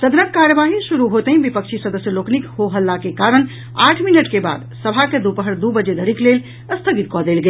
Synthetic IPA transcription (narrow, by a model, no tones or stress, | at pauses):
səd̪nət̪̚kaɾjəʋaɦiʃuɾuɦot̪əɦĩbipəkt͡ʃʰisəd̪əsjəloknikhoɦəlːakekaɾən | aːʈʰminəʈkeba̰ːd̪səbʱaked̪upəɦəɾd̪ubəd͡ʒed̪ʱəɾiklel | əst̪ʰəɡit̪̚kɔd̪elɡe